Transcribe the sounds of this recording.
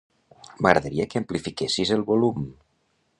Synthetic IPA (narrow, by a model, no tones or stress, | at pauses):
məɣɾəðəɾiəkəəːmplifikesizəlˠβolum